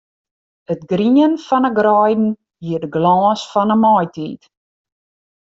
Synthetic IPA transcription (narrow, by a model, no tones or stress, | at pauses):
ətɡriənfɐnəɡrɑjdn̩ | ɦiərdəɡlɑːsfɐnəmɑjtḭt